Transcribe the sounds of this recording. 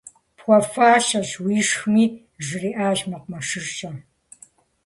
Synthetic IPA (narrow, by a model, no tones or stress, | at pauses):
pxʷɔfaːʃɐʒwiːʂxɨmiː | ʒɨriːʔaːʒmɐqmɐʂɨrʃɐ